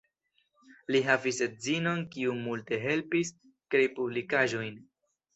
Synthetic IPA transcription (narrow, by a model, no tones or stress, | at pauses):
liɦaviset̚zino̞nkiumulte̞ɦe̞lpis | kɾejpublikaʒo̞jn